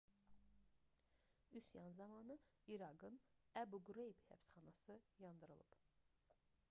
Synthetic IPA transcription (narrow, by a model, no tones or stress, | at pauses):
ysjɑnzɑmɑnɯ | iɾɑɡɯnæbuɡuɾejibhæ̰psχɑnɑsɯjɑnd̪ɯɾɯ̰lˠɯ̰b̥